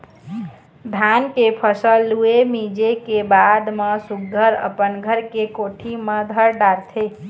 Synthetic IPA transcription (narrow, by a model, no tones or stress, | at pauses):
d̪ʱankepʰəsəlːuemid͡ʒekebad̪mesuɡɡ̪əɾə̰pənɡʱəɾkekoʈʰiməd̪ʱəɾɖaɾt̪ʰe